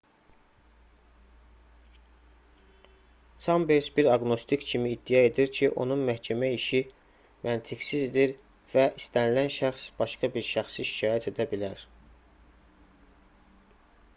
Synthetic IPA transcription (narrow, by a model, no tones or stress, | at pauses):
sʰɑmbeɾsbiɾɑɡno̞st̪ʰikcʰimiːd̪ːijɑe̞d̪iɾcʰiʔo̞̰nunmæhcʰæmæiʃi | mʔænt̪ʰiɡsizd̪iɾ | væʔist̪ʰænilænʃæxsb̥ɑʃkɑbiɾʃæxsiʃi̥cʰɑːjæt̪ʰe̞d̪æbilæɾ